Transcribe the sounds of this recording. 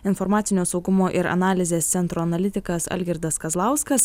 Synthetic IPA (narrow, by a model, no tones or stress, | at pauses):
ɪnfoɾmɑːt̪sʲɪnʲoːsɒʊɡʊmoːʔɪɾɐ̰nɑːlʲɪzʲeːst̪sʲɛnt̪ɾoːɐnɐlʲɪt̪ʲɪkɐsɐ̰lʲɡʲɪɾd̪ɐskɐzlˠɑˑʊskɐs